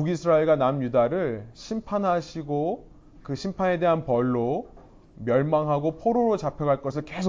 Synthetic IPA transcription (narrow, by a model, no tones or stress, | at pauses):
uɡisʰɯɾaeɭɡanamjudaɾɯɭɕʰimpʰanɦaɕʰiɡo | kɯɕʰimpʰane̞de̞ɦanpʌɭːo | mjʌɭmaŋɦaɡopʰoɾoɾot͡ɕapʰjʌɡaɭk͈ʌsʰɯɭkesʰo